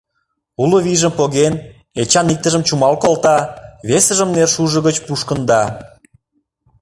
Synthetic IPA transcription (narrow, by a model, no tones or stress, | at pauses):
uloβiʒəmpoɣen | et͡ɕɑnik̚t̪ə̆ʒə̆mt͡ɕumɑlkolt̪ɑβesəʒəmnerʃuʒə̆ɣət͡ɕpuʃkə̆nd̪ɑ